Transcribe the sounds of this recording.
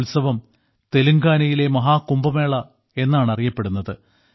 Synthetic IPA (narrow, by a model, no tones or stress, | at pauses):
lsɐʋɐm | t̪e̞luŋɡaːnɐjile̞mɐɦaːkːumbɐme̞ːɭɐ | e̞nːaːɳɐrijɐpːe̞ɽunːɐðɨ